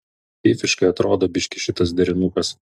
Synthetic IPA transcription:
fʲiːfʲɪʃkɐɪɐt̪ɾoːd̪oːbʲɪʃʲkʲɪʃʲɪt̪ɐs̬d̪ʲɛɾʲɪnʊkɐs

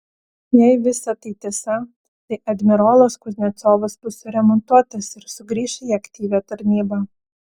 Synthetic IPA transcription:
jɛɪʋʲɪsɐt̪ɐɪt̪ʲiɛsɐ | t̪ɐɪʔɐd̪ʲmʲɪɾoːlˠoskʊzʲnʲɛt̪soːʋɐsbʊsʊɾʲɛmɔnt̪uɔt̪ɐsɪɾsʊɡɾʲiːʃʲɛiɐkt̪ʲiːʋʲæːt̪ɐɾʲnʲiːbɑː

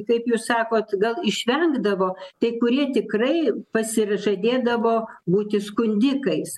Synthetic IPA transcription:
kɐɪpjuːssɑːkoːt̪ɡɐlˠɪʃʲʋʲɛŋɡd̪ɐʋoːt̪ɐɪkʊɾʲiɛt̪ʲɪkrɐɪpɐsʲɪʒɐd̪ʲeːd̪ɐʋoːbuːt̪ʲɪskʊnʲd̪ʲɪkɐɪs

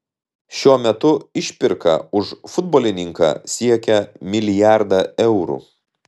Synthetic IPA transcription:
ʃʲuɔmʲɛt̪ʊɪʃʲpʲɪɾkɐ̰ʊʃfʊd̪̚boɔːlʲɪnʲɪŋkɑ̰ːsʲiɛkʲɛmʲɪlʲɪjæˑɾd̪ɐːɛʊɾṵː

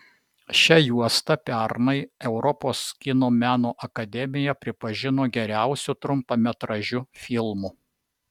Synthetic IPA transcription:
ʃʲɛjuɔst̪ɐpʲæɾnɐɪɛʊɾɔpoːskʲɪnoːmʲæːnoːʔɐkɐd̪ʲɛmʲɪjɛpʲɾʲɪpɐʒʲɪnoːɡʲɛɾʲæˑʊsʲut̪ɾʊmpɐmʲɛt̪ɾɐʒʲʊfʲɪlˠmu

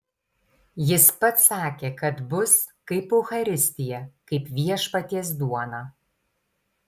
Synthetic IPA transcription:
jɪspɐt̪sɑːkʲeːkɐt̪bʊskɐɪpʊxɐɾʲɪsʲt̪ʲɪjɛkɐɪpʋʲiɛʃpɐt̪ʲiɛs̬d̪uɔnɑː

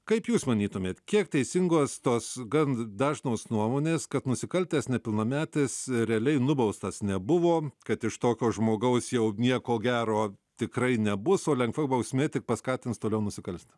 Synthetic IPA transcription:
kɐɪpjuːsmɐnʲiːt̪ʊmʲeːt̪kʲiɛkt̪ʲɛɪsʲɪŋɡoːst̪oːsɡɐnd̪ɑːʒnoːsnuɔmoːnʲeːskɐt̪nʊsʲɪkɐlʲt̪ʲeːsnʲɛpʲɪlˠnɐmʲæːt̪ʲesɾʲɛɐlʲɛɪnʊbɐʊst̪ɐsnʲɛbʊʋoːkɐt̪ɪʃt̪oːkʲoːʒmoːɡɐʊsjɛʊnʲiɛkoːɡʲæːɾoːtʲɪkrɐɪnʲɛbʊsoːlʲɛŋkʋɐbɐʊsʲmʲeːt̪ʲɪk̚pɐskɑːt̪ʲɪnst̪oːlʲɛʊnʊsʲɪkɐlʲsʲt̪ʲɛ

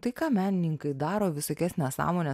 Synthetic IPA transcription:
t̪ɐɪkɑːmʲæːnʲɪnʲɪŋkɐɪd̪ɑːɾoːʋʲɪsoːkʲæsʲnʲɛssɑ̰ːmoːnʲɛ

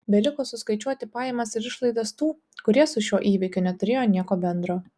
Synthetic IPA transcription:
bʲɛlʲɪkoːsʊskɐɪt͡ʃʲuɔt̪ʲɪpɑːjɛmɐsɪɾɪʃlˠɐɪd̪ɐst̪uː | kʊɾʲiɛsʊʃʲuɔʔiːʋʲɪkʲʊnʲɛt̪ʊɾʲeːjoːnʲiɛkoːbʲɛnd̪ɾoː

